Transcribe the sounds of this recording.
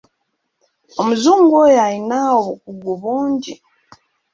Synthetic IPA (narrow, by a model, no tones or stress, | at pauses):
omuzuːŋɡojalinaoβukuɡuβuːɲɟi